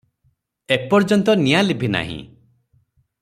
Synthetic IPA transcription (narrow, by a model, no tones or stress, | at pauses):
epɔɾd͡ʒɔnt̪ɔnijalibʱina̰ɦḭ̃